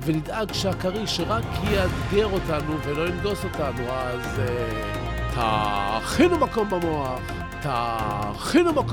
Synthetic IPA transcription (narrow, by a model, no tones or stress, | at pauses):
ve̞nidaɡʃeakaʁiʃeʁakʰjeadɡeʁo̞tanuvelo̞inɡo̞so̞tanua | ze | tʰa̰χinumako̞mbamoa | ta | χinumak